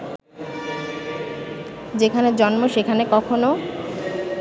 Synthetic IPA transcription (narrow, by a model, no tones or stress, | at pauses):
d͡ʑekʰaned͡ʑɔnmoʃekʰanekɔkʰono